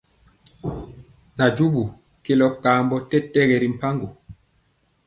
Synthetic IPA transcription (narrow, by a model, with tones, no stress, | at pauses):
na˨d͡ʒu˦bu˨ | ke˦lɔ˨˦p̚kaː˨mbɔ˦tɛ˦tːɛ˦ɡɛ˨ɾi˨m̩˨pa˦ŋɡu˨